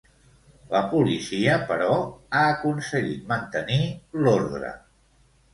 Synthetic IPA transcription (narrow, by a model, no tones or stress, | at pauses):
ləpulisiəpəɾɔaəkunsəɣit̪̚mənt̪əniloɾðɾə̰